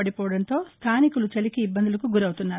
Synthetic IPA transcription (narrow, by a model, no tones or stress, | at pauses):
ɐɽipɔːɐɽɐnt̪o̞ːst̪ʰaːnikulut͡ʃɐlikiːbːɐnd̪ulɐkuɡuɾɐwut̪unːaːɾu